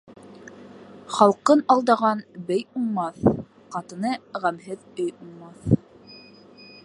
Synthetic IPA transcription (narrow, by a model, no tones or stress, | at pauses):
χɑlˠqɤnɑlˠd̪ɑʁɑnbɘjuɴmɑθ | qɑt̪ɤ̆nɤʁæmɦɘðɵjuɴmɑθ